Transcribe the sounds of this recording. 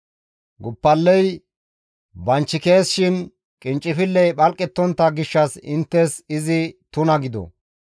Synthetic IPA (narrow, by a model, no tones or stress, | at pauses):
ɡʊpːɐlːɛj | bɐnt͡ʃːɪke̞ːsʃɪn | kʼɪnt͡ʃʼːɪfɪlːɛjɓɐlkʼːɛt̪ːɔnt̪ːɐɡɪʃːɐsɪ̰nt̪ːɛsɪzɪt̪ʊnɐɡɪd̪ɔ̰